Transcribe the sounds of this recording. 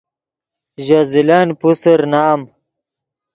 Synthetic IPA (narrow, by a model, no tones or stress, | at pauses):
ʑazilanpusəɾnaːm